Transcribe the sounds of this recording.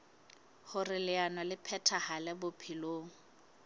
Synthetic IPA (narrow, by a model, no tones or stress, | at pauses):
hʊrɪlɪanwalɪpʰɛtʰahalɛbʊpʰiloːŋ̩